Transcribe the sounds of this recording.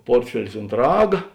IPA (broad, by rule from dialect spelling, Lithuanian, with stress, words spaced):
ˈpoːrʲtʲfʲɛlʲɪs ʊnt ˈrɑːɡɐ